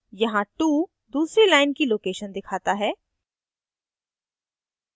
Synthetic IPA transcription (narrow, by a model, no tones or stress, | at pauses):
jɐɦãʈuː | d̪uːsɾelaːɪnkiloːkeːʃənd̪ɪkʰaːt̪aɦɛː